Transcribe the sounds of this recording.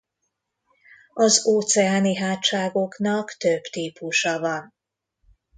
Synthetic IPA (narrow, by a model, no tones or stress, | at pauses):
ɒzoːt̪sɛaːniɦaːt̪ːʃaːɡo̞knɒkt̪øbt̪iːpuʃɒvɒn